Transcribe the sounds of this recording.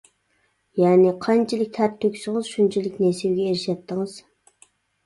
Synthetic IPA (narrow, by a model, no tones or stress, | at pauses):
jɛːnɪqʰɑnt͡ʃʰilˠɪk̚ʲt̪ʰæɾt̪ʰːøkʲsʊŋɨz̥ʃunt͡ʃʰilɪkʲnesiwɡʲɛeɾɪʃɛt̪ʰːɪŋɨz̥